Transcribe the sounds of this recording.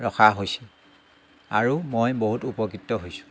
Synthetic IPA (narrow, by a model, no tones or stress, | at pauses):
ɹɔxaɦojsi | aɹumojboɦutupɔkitːɔɦojsʊ̥